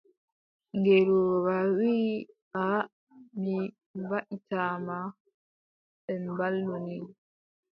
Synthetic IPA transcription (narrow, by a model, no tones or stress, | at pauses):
ŋɡeɾuwawiːʔa | mi | vaʔitaːma | ɓɛmbalːuni